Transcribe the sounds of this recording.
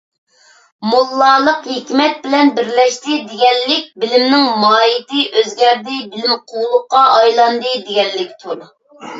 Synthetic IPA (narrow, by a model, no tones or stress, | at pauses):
mulˠːɑːlˠəqhikʲmɛt̪̚bɪlɛnbɪɾlɛʃt̪ɪd̪eɡʲɛllɪk̚ʲbɪlɪmnɪŋmɑːjit̪ɪʔøzɡʲɛɾd̪ɪbɪlɪmqʰowlˠʊqːɑʔɑjlˠɑnd̪ɨd̪eɡʲɛnːɪkʲt̪ʰuɾ